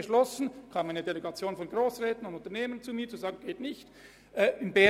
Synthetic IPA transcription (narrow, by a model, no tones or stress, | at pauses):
əʃlɔsn̩kʰaːmaɪnədeleɡat͡sjoːnfɔnɡʁoːsʁɛːtənʊndʊntɐneːmənt͡sumiːɐt͡suzaːɡn̩ɡ̥eːtnɪçt | ʔɛɪnbɛ